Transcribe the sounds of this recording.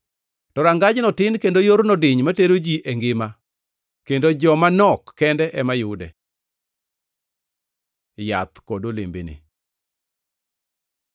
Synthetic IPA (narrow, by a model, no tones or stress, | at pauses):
tɔɾaŋɡad͡ʒnɔtɪnkendojoɾnɔdɪɲmateɾod͡ʒiʔɛŋɡɪma | kendod͡ʒɔmanɔkːɛndɛʔɛmajʊdɛ̰ | ja̰t̪kodolḛmbḛnḛ